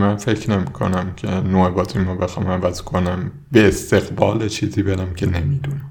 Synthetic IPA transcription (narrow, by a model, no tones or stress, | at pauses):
mænfe̞cʰne̞miːkʰo̞̰næmcʲʰe̞noːebɒːt̪ʰimɒːbexɒːmævæzkʰonæm | beːst̪e̞ɣbɒːlet͡ʃʰiːziːbeɾæmcʲʰe̞nemiːd̪unæm